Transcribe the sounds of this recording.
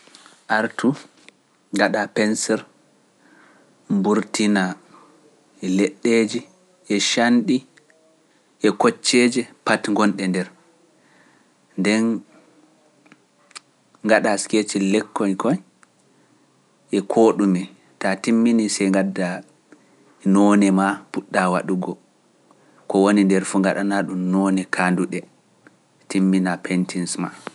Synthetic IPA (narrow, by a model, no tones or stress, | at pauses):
ʔaɾtu | ŋɡaɗapɛnsɛɾ | mbuɾtina | ɛleɗːeːd͡ʒi | ʔɛʃanɗi | ʔɛkɔt͡ʃːɛd͡ʒɛpatŋɡɔnɗɛndɛɾ | ndɛn | ŋːɡaɗasket͡ʃilɛkːɔnkɔj | ʔɛkʰoɗumi | tatimːinisɛjŋɡadːa | nɔnɛmapuɗːawa̰ɗuɡɔ | kɔwonindɛɾfuːŋɡaɗanaɗumnɔnɛkʰanduɗɛ | timːinapɛntʰinsma̰